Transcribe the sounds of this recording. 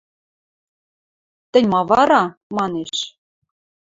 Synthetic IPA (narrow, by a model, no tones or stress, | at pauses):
t̪ɘ̆nʲmɑβɑɾɑmɑneʃ